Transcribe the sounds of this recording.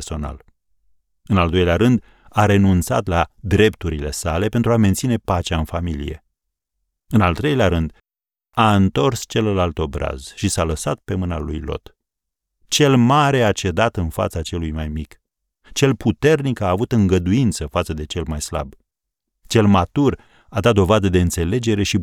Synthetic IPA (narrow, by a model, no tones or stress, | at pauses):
so̞na̰l | ɨnald̪o̞jleaɾɨnd̪ | aɾe̞nunt̪sa̰t̪lad̪ɾe̞pt̪uɾile̞̰sale̞pent̪ɾuame̞nt̪sine̞pat͡ʃeaɨnfamilḭje̞̰ | ɨnalt̪ɾe̞jleaɾɨnd̪ | aɨnt̪o̞rst͡ʃe̞ləlalt̪o̞bɾa̰z̥ʃisaləsat̪̚pe̞mɨna̰lṵjlo̞̰t̪ | t͡ʃe̞lmaɾe̞at͡ʃe̞d̪at̪ɨnfa̰t̪sat͡ʃe̞lujmajmik | t͡ʃe̞lput̪e̞rnikaːvut̪ɨŋɡəd̪uint̪səfat̪səd̪e̞t͡ʃe̞lmajsla̰b | t͡ʃe̞lmat̪ur | ad̪at̪̚d̪o̞vad̪əd̪e̞ɨnt̪se̞le̞d͡ʒe̞ɾe̞ʃi